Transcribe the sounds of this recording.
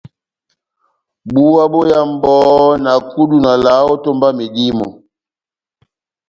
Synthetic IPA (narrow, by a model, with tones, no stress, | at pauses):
ɓu˦wa˦bo˦ja˦m˦bɔ˦na˨ku˦ɗu˦na˨la˨˦ɔ˦to˦mba˦mi˨ɗi˦mɔ̰˨